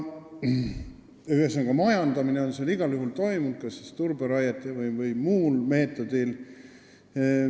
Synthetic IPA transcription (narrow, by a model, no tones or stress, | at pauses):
yhesːɑnɡɑmɑjɑnd̪ɑmine̞o̞nseɑliɡ̥ɑljuɦult̪o̞jmunt̪̚kɑsːist̪urb̥eɾɑjɑt̪ːˑevɯjvɯjmuːlme̞ːt̪ːˑo̞d̪̥il